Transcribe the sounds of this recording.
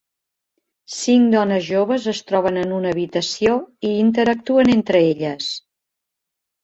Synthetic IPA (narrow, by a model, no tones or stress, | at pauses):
siŋd̪ɔnəzʒoβ̞əzəst̪ɾɔβ̞ənənunəːβit̪əsioiːnt̪əɾək̚t̪uənent̪ɾəeʎəs